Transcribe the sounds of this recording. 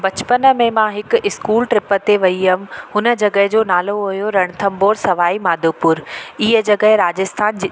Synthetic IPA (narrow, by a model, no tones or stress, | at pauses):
bɐt͡ɕpənmẽmãɦɪkɪskuːlʈɾɪpə̆t̪eʋɐiɐm̆ɦʊnə̆d͡ʑɐɡəɦɪd͡ʑoːnaːloɦʊjoɾɐɽ̃t̪ʰɐ̃mboːɾsɐʋaːimaːd̪ʱopʊɾiɦə̆d͡ʑɐɡəɦɪɾaːd͡ʑəst̪ʰaːnd͡ʑ